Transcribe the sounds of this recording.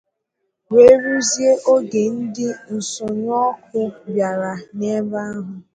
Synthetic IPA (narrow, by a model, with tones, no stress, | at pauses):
we˦ɾu˦zi˦e˦ʔo˦ɡe˨n̩˦dɪ˦n̩˨sʊ˨ɲ˦ɔ˦k̚ʊ˦bja˨ɾa˨ne˦ba˦ɦʊ˨